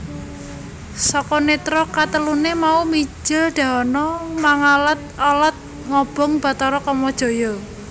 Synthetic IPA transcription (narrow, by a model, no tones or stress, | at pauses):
sɔkɔnet̪ɾɔkat̪əlunemaumi̥d͡ʒɪlɖ̪̥ä̤ɔnɔmaŋalət̪̚ɔlɔt̪̚ | ŋɔb̥ɔ̤ŋb̥a̤t̪ɔɾɔkɔmɔd̥ʒ̥o̤jɔ